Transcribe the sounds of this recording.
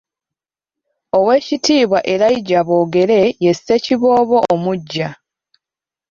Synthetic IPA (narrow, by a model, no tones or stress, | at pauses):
o̞we̞ːcitiːβwaʔe̞ɾaiɟaβo̞ːɡe̞ɾe̞je̞sːe̞ciβo̞ːβo̞ːmuɟːa